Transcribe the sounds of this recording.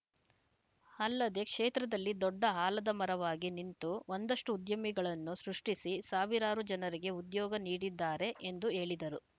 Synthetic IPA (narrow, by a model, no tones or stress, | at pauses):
ɐlːɐd̪e̞kʂeːt̪ɾɐd̪ɐlːid̪ɔɖːɐɦaːlɐd̪ɐmɐɾɐʋaːɡinint̪uʔond̪ɐʂʈuːd̪jɐmiɡɐɭɐnːusɾuʂʈisisaːʋiɾaːɾud͡ʒɐnɐɾiɡe̞ud̪jɔːɡɐniːɽid̪ːaːɾe̞ʔend̪ue̞ːɭid̪ɐɾu